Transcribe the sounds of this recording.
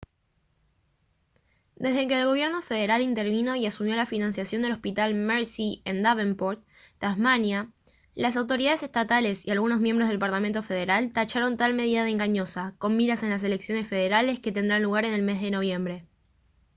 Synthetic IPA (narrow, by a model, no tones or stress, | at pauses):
d̪e̞zðe̞ke̞ːlɣo̞βje̞ɾno̞fe̞ð̞e̞ɾalint̪e̞ɾβino̞iasumjo̞lafinãnsjasjo̞nd̪e̞lo̞spit̪almeɾsiend̪aβempoɾt̪ | t̪azmanja | las̬awt̪o̞ɾiðaðe̞s̬e̞st̪at̪ale̞sialɣunozmje̞mbɾzð̞e̞lpaɾlament̪o̞fe̞ð̞e̞ɾalt̪at͡ʃaɾo̞nt̪alme̞ð̞iðaðeŋɡaɲo̞sako̞mmiɾase̞nlas̬e̞le̞ksjo̞ne̞sfe̞ðe̞ɾale̞ske̞t̪e̞nd̪ɾanluɣaɾe̞ne̞lme̞zðe̞no̞β̞je̞mbɾe̞